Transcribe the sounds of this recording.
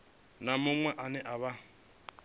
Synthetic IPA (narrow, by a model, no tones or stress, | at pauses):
namʊŋwɛʔanɛʔaβa